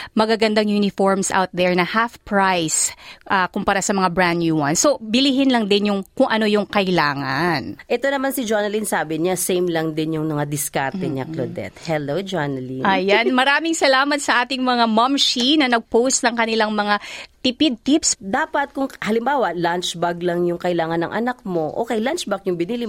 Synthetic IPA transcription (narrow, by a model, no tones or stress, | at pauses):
mɐɡaɡɐnd̪aŋjunɪfoɹmsʔa̰wt̪̚d̪ɛɹnɐhafpɹajsʔɐkʊmpɐɾasɐmɐŋabɹanjuwɐnsobɪliɦɪnlɐŋd̪ɪnjʊŋkʊŋʔɐno̞jʊŋkɐʔɪlaːŋɐnʔɛt̪o̞nɐmansɪd͡ʒonɐlinsaːbɪɲasɛjmlɐŋd̪ɪnjʊŋmɐŋad̪ɪskaɾt̪ɛɲaklod̪ɛ̰t̪hɛlod͡ʒanɐliʔɐjanmɐɾaːmɪŋsɐlaːmɐt̪sɐʔaːt̪ɪŋmɐŋamɐmʃinɐnɐɡ̚powst̪nɐŋkɐnɪlaŋmɐŋat̪ɪpɪd̪̚t̪ipsd̪aːpɐt̪̚kʊŋhɐlɪmbaːwɐlant͡ʃbɐɡlɐŋjʊŋkɐʔɪlaːŋɐnːɐ̰ŋʔɐ̰nak̚mo̞ʔoːkɛjlant͡ʃbɐk̚jʊŋbɪniːli